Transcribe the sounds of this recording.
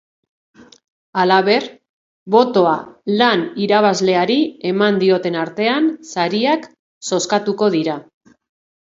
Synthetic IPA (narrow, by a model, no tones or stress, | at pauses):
alaβe̞r | βo̞t̪o̞alaniɾaβ̞azle̞aɾie̞mand̪io̞t̪e̞naɾt̪e̞ansaɾiak | so̞skat̪uko̞ðiɾa